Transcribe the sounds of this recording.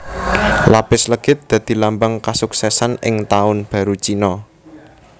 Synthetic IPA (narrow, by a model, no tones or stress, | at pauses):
lab̥ɪsləɡ̥ɪt̪̚d̪̥ä̤d̪̥i̤lambaŋkasuksɛsanɪ̰ŋt̪aʊnb̥ä̤ɾut͡ʃinɔ